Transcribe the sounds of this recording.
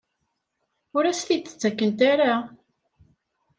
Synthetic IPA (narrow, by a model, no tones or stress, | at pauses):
ʊɾæst̪it͡s̪ːə̥t͡sːækːənt̪aɾa